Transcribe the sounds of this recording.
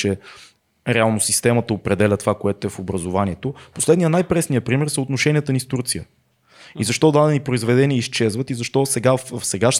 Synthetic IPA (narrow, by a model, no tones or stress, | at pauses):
t͡ʃɛ | ɾɛalˠnosist̪ɛmət̪əopɾɛd̪ɛlʲət̪ovakoɛt̪oɛfobɾəzovaniɛt̪oposlɛd̪nijənajpɾɛsnijəpɾimɛɾsəot̪noʃɛnʲiət̪ənist̪uɾt̪sijə | izɐʃt̪ɔd̪ad̪ɛnipɾoizvɛd̪ɛniəist͡ʃɛzvət̪izɐʃt̪ɔsɛɡaffsɛɡaʃ